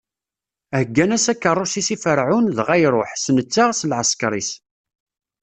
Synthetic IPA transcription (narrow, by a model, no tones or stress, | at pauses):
æhəɡːænæsækːərˤːʊsisifəɾʕʊnðʁæjɾˤoħsnət͡sːaʁsəlʕəskɾˤis